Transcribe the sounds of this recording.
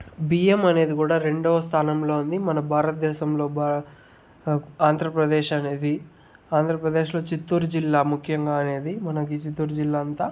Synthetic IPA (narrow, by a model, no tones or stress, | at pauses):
biːemɐne̞ːd̪ikuːɽaːɾe̞ɳɖoːʋɐst̪ʰaːnɐmlo̞ːund̪imɐnɐbʱaːɾɐt̪̚d̪ɛːʃɐmlo̞ːba | aːnd̪ʱɾɐpɾɐd̪eːʃɐneːd̪i | aːnd̪ʱɾɐpɾɐd̪eːʃlo̞ːt͡ʃit̪ːuːɾd͡ʒilːaːmukʰjɐŋɡaːɐneːd̪imɐnɐk̬it͡ʃit̪ːuːɾd͡ʒilːaːɐnt̪aː